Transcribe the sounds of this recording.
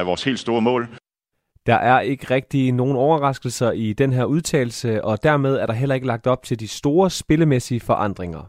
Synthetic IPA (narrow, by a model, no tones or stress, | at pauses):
æʋɒːshe̝̰ːld̥sd̥o̝ːɐmɔ̰̽ːl | d̥ɑ̈ʔæɐʔe̝ɡ̥əʁɛɡ̥̚d̥ino̝ːn̩ɒʊɐʁɑ̈sɡ̥l̩sɐid̥enɦeɐ̰uð̞ˠt͡sʰɛ̰ːɪl̩səɒ̽d̥æɐmeð̞ˠæɐɾ̥ɑ̈ɦel̰ɐe̝ɡ̥əlɑ̈ɡ̥̚d̥ɒ̽b̥̚t͡sʰe̝ld̥isd̥o̝ːɐsb̥e̝ləmesiəfɒ̽ʔɑ̈n̰d̥ʁeŋɐ